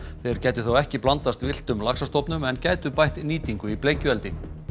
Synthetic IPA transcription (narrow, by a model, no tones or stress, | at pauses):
θɛjɾcaːjt̪ʏθowɛhcɪplant̪ast̪vɪl̥t̪ʏmlaksast̪ɔwpnʏmɛncaːjt̪ʏpajht̪niːt̪iŋkʏipleːjcʏɛlt̪ɪ